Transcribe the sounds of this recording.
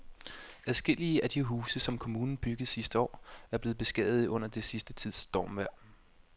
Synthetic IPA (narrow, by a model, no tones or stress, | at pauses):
ʔæðˠsɡ̥e̝l̰iəʔæd̥iɦuːsəsɒ̽mkʰo̝muːnn̩b̥yɡ̥ð̩ˠsisd̥əɒ̰ːæɐb̥le̝ːð̩ˠb̥e̝sɡ̥ɛ̰ð̩ˠɔ̽n̰ɐd̥e̝sisd̥ət͡sʰið̰ˠsd̥ɒ̰ːmʋæɐ̰